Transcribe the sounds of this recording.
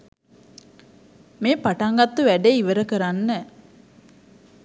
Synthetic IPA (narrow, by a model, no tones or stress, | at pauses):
meːpaʈaŋɡat̪ːuʋæɖeiʋəɾəkəɾanːə